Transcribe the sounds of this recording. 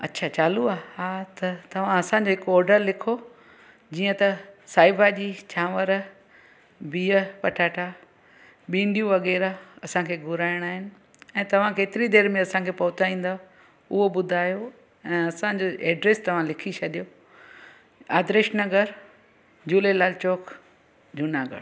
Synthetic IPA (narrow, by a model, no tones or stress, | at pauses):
ɐtːɕʰat͡ɕaːluaːɦaːt̪ɐt̪ɐʋ̤ãɐsãɲ̆d͡ʑoːɦɪkɔːɾɖəɾlɪkʰo | d͡ʑiːə̃t̪ɐsaːɪbad͡ʑiːt͡ɕʰaːʋəɾ | biːəpɐʈʰaːʈʰa | ɓĩːɳɖijũʋɐɣɛːɾaɐsãkʰeːɡʱʊɾaːɪəɽ̃aːɦɪnɪ̆ | ɛ̃ːt̪ɐʋ̤ãkeːt̪ɪɾid̪eːɾmẽɐsãkʰeːpɐɦʊt͡ɕaĩːn̆d̪aː | ʊɦoɓʊd̪ʱaːjo | ɛ̃ːɐsãd͡ʑoːʔeːɖɾeːst̪ɐʋ̤ãlɪkʰit͡ɕʰɐɗ̪ijoː | a̰ːd̪ɾɪʃnɐɡəɾ | d͡ʑuːlelaːlt͡ɕoːk | d͡ʑʊnaɡə̰ɾ